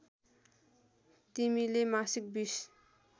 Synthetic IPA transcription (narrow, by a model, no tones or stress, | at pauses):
t̪imilemasək̚bis